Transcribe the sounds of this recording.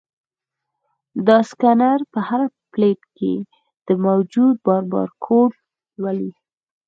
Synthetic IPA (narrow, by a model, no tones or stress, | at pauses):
d̪ɑskanaɾpəhaɾapleʈkḛ | d̪̥əmawd͡ʒud̪̚bɑɾbɑ̰ɾkʰoʈ | lwali